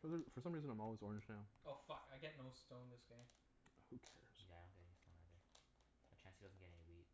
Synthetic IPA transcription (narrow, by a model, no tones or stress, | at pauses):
fə˞ðəfə˞sʌ̃mɹizɨ̃nãɪ̃ɔlˠwizɔɹɨ̃nd͡ʒnaʊoʊfʌkaɪɡɛtⁿnoʊstõʊ̃nðɪsɡ̥ẽɪ̃m | hukʰɛɹz̥jæɪdõʊ̃nɡɛɾstõnaɪtðə˞ | ət͡ʃʰæ̃nsidʌzn̩ɡɛɾɛniwit̚